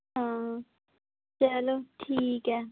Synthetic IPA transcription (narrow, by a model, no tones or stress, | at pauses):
ɦã | t͡ʃɐloʈʰiːkɦɛ